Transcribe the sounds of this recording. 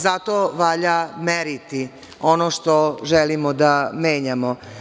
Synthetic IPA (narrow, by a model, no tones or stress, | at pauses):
zat̪oʋaʎameɾit̪i | o̞noʃt̪oʒɛlimod̪ameːɲamo